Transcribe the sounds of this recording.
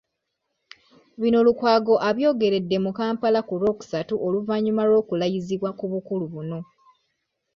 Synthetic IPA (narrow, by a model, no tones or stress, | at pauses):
βino̞lukwaːɡo̞ʔaβjo̞ːɡe̞ɾe̞dːe̞mukaːmpalakuɾo̞ku̥satuʔo̞luvaɲːumaɾo̞ːkulajiziβwakuβukuluβuno̞